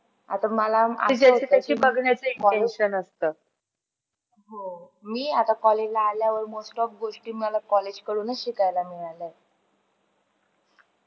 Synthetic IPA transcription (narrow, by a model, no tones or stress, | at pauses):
a̰t̪aməlaa̰d͡ʑat͡ɕiːt̪jat͡ɕiːbəɡɳjat͡səiɳɔenɕənəst̪əː | ɦo | miːat̪akɔled͡ʑlaːljaʋəɾmosʈɔp̚ɡoʂʈiːəlakɔled͡ʑkəɽuːnəɕikajlamiale